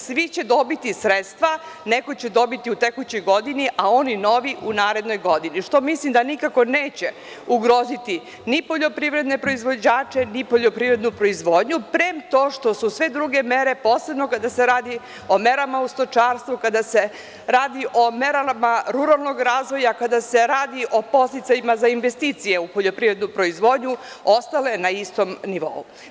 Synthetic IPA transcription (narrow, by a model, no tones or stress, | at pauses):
sʋit͡ɕe̞d̪o̞bit̪isɾet̪st̪ʋa | neko̞t͡ɕed̪o̞bit̪iut̪e̞kut͡ɕo̞jɡo̞d̪iniʔao̞nino̞ʋiʔunaːɾe̞d̪no̞jɡo̞d̪iniʂt̪o̞mislimd̪anikako̞neːt͡ɕe | uɡɾo̞ːzit̪i | nipo̞ʎo̞pɾiʋɾe̞d̪ne̞pɾo̞izʋo̞d͡ʑaːt͡ʂe̞nipo̞ʎo̞pɾivɾe̞d̪nupɾo̞izʋo̞ːd̪ɲupɾemt̪oːʃt̪o̞susʋe̞d̪ɾuɡe̞me̞ɾe̞po̞ːse̞bno̞kad̪ase̞ɾaːd̪i | o̞me̞ɾamaust̪o̞t͡ʃaːɾst̪ʋukad̪ase | ɾaːd̪iʔo̞me̞ɾamaɾuɾalˠno̞ɡɾaːzʋo̞jakad̪ase̞ɾaːd̪iʔo̞po̞st̪it̪sajimazainʋe̞st̪iːt̪sije̞upo̞ʎo̞pɾivɾe̞d̪nupɾo̞izʋo̞ːd̪ɲu | ost̪ale̞naist̪o̞mniʋo̞̰u